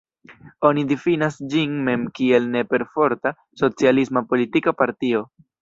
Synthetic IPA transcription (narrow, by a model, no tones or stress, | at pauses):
o̞nidifinasd͡ʒinme̞mkie̞lne̞pe̞ɾfo̞ɾta | so̞t͡sialismapo̞litikapaɾtio̞